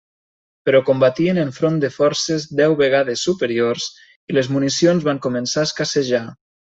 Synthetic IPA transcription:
pəɾɔkombat̪iəneɱfɾond̪əfɔɾsezd̪ɛwβeɣ̞aðesːupəɾiors | ilezmunisionzβaŋkumənsaəskaseʒa

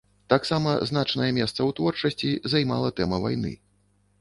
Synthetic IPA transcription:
t̪aksamɐznat͡ʂnɐjɛmʲɛst̪sɐwt̪vɔrt͡ʂɐsʲt͡sʲizajma̰lˠɐt̪ɛmɐva̰jn̪ɨ̰

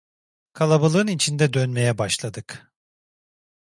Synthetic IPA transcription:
kʰalˠabalˠɯɯnit͡ʃʰind̪ɛd̪ønme̞jɛbaʃlˠad̪ɯk

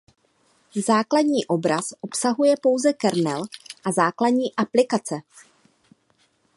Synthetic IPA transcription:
zaːkladɲiːʔo̞bɾasʔo̞psaɦujɛpo̞wzɛkɛɾnɛlʔazaːkladɲiːʔaplɪkat͡sɛ

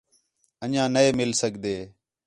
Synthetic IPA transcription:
ənãːnəeːmɪlsəɠʱd̪eː

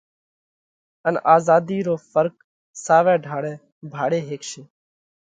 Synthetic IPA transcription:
ənʔaːzaːd̪iːɾoːfəɾk̚ | saːʋɛ̃ːɖʱaːɽɛ̃ː | bʱaːɽeːɦeːkʃeː

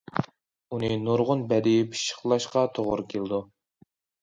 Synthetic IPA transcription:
unɨnoɾʁʊnbɛd̪ɪjpʰi̥ʃə̥χlˠɑʃqɑt̪ʰoʁʊ̰ɾkʲʰelɨd̪u

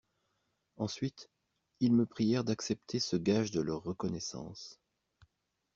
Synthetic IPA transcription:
ɑ̃sɥit̪ | ilməpχijɛʁd̪aksɛp̚t̪ʰesəɡaʒd̪əlœʁːəkɔnɛsɑ̰̃s

